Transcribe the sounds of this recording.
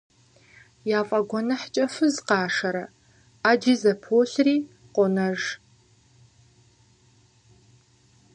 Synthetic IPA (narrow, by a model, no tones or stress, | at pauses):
jaːfʼɐɡʷɔnɐħt͡ʃʼɐfɨzqɑːʂɐɾɐ | aːd͡ʒiːzɐpʰoːɬriː | qʷʼʊnɐʐ